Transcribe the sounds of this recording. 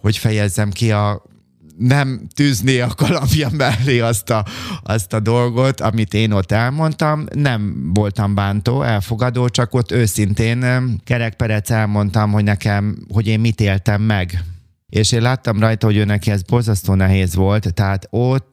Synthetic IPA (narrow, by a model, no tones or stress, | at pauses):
ho̞cfɛjɛzːɛmkiɒ | nɛmt̪yzneːɒkɒlɒpjɒmɛlːeːɒst̪ɒɒst̪ɒd̪o̞lɡo̞t̪ɒmit̪eːno̞t̪ːɛlmo̞nt̪ɒmnɛmvo̞lt̪ɒmbaːnt̪oːʔɛlfo̞ɡɒd̪oːt͡ʃɒko̞t̪ːøːsint̪eːnɡ̥ɛɾɛk̚pɛɾɛt̪sɛlmo̞nt̪ɒmɦo̞ɟnɛkɛmho̞ɟeːmmit̪eːlt̪ɛmːɛɡ | eːʃeːnlaːt̪ːɒmrɒjt̪ɒɦo̞ɟøːnɛkiɛzbo̞lzɒst̪oːnɛɦeːzʋo̞lt̪ːɛɦaːt̪ot̪ː